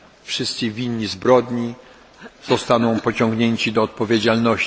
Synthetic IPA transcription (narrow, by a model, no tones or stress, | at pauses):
fʂɘst̪sɨvʲiɲːizbɾɔd̪ɲi | z̥ɔst̪anɔ̃w̃pɔt͡ɕɔ̃ŋɡɲeɲt͡ɕid̪ɔːt̪̚pɔvʲjed͡ʑalnɔɕ